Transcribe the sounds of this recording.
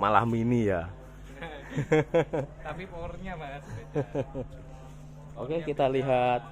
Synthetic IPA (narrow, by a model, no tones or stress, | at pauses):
mala̰hminija | t̪apiporɲama | okekit̪aliɦat̪̚